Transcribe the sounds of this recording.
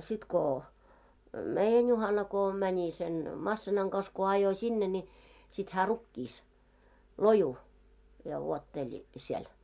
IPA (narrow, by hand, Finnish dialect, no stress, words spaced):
sit ko meijæn juhɑnɑ ko mænʲi sen mɑsːinɑŋ kɑs ko ɑjo sʲinːe nʲi sit hæː rukːiːs loju jɑ wuotːelʲĭ siel